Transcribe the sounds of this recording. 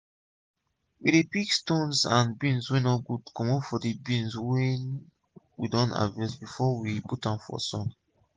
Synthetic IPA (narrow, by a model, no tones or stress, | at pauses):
wiɾepikstõnsãnbĩnswɛ̃nɔɡudkɔ̃mɔfɔdibĩnswɛ̃n | widɔ̃nta̰vɛsbifɔwiputãmfɔ̰sɔ̰̃n